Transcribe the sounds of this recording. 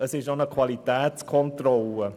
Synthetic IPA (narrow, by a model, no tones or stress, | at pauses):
əsɪʃonəkʰwalitɛːt͡skʰɔntrɔlə